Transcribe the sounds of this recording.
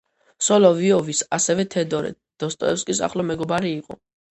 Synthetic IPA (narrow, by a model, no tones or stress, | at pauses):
sɔlɔviɔvisasɛvɛt̪ʰɛd̪ɔɾɛ̰ | d̪̥ɔst̪ʼɔ̰ɛpskʼisa̰χlɔmɛɡɔbaɾiːqʼɔ̰